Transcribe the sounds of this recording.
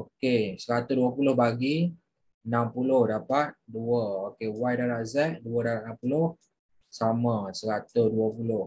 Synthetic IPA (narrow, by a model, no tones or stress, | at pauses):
okesəɾat̪uduəpulʊhbaɡi | ənampulʊhdapat̪̚duəokewajdaɾaʔzɛʔ̚duədapat̪̚nampulʊh | samãsəɾat̪uduəpulʊh